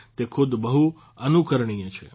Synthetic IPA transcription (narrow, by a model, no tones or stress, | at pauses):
t̪ekʰud̪bəɦu | ənukəɾɳijãt͡ʃʰḛ